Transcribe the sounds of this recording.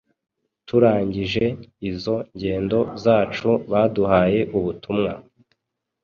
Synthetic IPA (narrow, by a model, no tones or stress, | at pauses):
tuɾaːɲɟiʒe̞izo̞ɲɟe̞ːndo̞zaːt͡ʃuβaːduhaːje̞ʔuβutʰumŋa